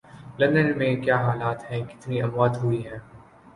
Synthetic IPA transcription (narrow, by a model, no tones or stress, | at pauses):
lɐ̃nd̪ənmẽkjaːɦaːlaːt̪ɦɛ̃ːkɪ̥t̪niɐmwaːt̪ɦʊiɦɛ̃ː